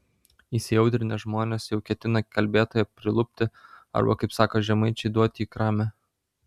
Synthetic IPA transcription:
isʲɪjɛʊt̪ʲɾʲɪnʲeʒmoːnʲeːsjɛʊkʲɛt̪ʲɪnɐkʲɐlʲbʲeːt̪oːjɛpʲɾʲɪlˠʊpʲt̪ʲɪɐ̰ɾbɐ̰kɐɪpsɑːkoːʒʲɛmɐɪt͡ʃʲɛɪd̪uɔt̪ʲiːkɾɑːmʲɛ

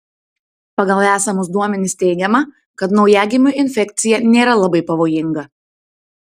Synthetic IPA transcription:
pɐɡɐlˠæːsɐmʊsd̪uɔmʲɛnʲɪsʲt̪ʲɛɪɡʲɛmɐ | kɐt̪nɒʊjæɡʲɪmʲʊʔɪnʲfʲɛkʲt̪sʲɪjɛnʲeːɾɐlˠɐbɐɪpɐʋoːjɪŋɡɐ

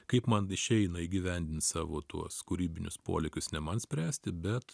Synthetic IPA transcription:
kɐɪpmɐnɪʃʲɛɪnɐiːɡʲɪʋʲɛnʲd̪ʲɪnt̪sɑːʋoːt̪uɔskʊɾʲiːbʲɪnʲʊspo̰ːlʲɛkʲʊsnʲɛmɐnsʲpʲɾʲæːsʲt̪ʲɪbʲɛt̪

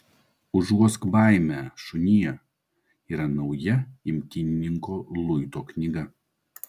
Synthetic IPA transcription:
ʊʒuɔskbɑˑɪmʲæʃʊnʲijɛ | iːɾɐnɔʊjɛɪmʲkʲɪnʲɪnʲɪŋkoːlˠʊɪt̪oːknʲɪɡɐ

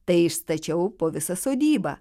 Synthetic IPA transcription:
t̪ɐɪɪʃst̪ɐt͡ʃʲɛʊpoːʋʲɪsɐsoːd̪ʲiːbɐ̰ː

